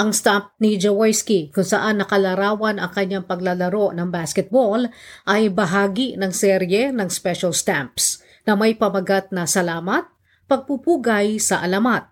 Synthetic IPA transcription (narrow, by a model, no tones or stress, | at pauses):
ʔɐŋst̪amp̚nid͡ʒowajskikʊnsɐʔanːɐkɐlɐɾaːwɐnɐŋkɐɲːaŋpɐɡ̚lalɐɾo̞ʔnɐŋbaskɛt̪̚bolʔɐjbɐɦaːɡinɐŋsɛɾjɛnɐŋspɛʃɐlst̪amps | nɐmɐjpɐmɐɡat̪̚nɐsɐlaːmɐt̪̚ | pɐɡ̚pupuːɡɐjsɐʔɐlamat̪̚